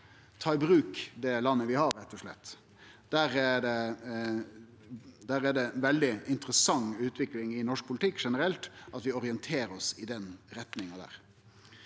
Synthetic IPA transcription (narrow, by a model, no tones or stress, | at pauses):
t̪ʰɑːɪbɾʉːkd̪ɛlɑnːəʋɪhɑɾɾɛt̪ːɔʂlɛ̰t̪ː | d̪̥æːɾæɖ̪ɛ | d̪æːɾæɖɛʋɛld̪ɪʔɪnt̪ɾəsɑŋːʉːt̪ʋɪklɪŋɪnɔʂk̚pʰʊlɪt̪ʰɪkːʂɛnəɾɛlt̪ɑt̪ʋɪɔɾɪənt̪ʰeːɾɔsɪd̪ɛnɾɛt̪nɪŋɑd̪æ̰ːɾ